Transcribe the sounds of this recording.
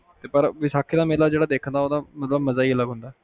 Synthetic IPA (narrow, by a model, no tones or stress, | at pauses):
t̪epəɾʋisakʰit̪amelad͡ʑeɽad̪ekʰənd̪aɦot̪amət̪ləbməd͡zajelaɡʱõnd̪a